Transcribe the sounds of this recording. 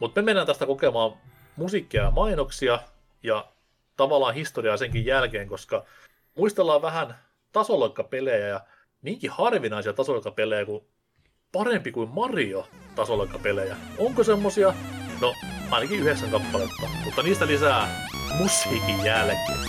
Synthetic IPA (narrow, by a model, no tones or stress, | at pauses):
mut̪memenːænt̪æst̪ækokemɑːm | musikːiɑjɑmɑinoksiɑ | jɑ | t̪ɑʋɑlːˑɑːnhist̪oriɑːseŋkijjælkeːŋkoskɑ | muist̪elːɑːʋʋæhæn | t̪ɑsolɑkːɑpelejæjɑ | miŋkihɑrʋinɑisiɑt̪ɑsolɑkːɑpelejæku | pɑrempikuimmɑriot̪ɑsolɑkːɑpelejæoŋkosemːosiɑnoɑinɑkiyheksæŋkɑpːɑlet̪ːɑmut̪ːɑniːst̪ælisæːmushiːkijjælkḛː